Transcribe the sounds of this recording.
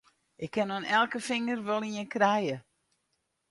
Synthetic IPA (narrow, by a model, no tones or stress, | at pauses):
ʔɪkʰːɪnonɛlˠkəfɪŋərʋɔlˠiənkrɛjə